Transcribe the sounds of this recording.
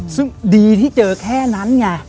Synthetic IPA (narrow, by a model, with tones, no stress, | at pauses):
sɨ̰˧˥ɗi˨˩t̪ʰi˧˥t͡ɕəː˨˩kʰɛ˧na˨˦nɲaː˨˩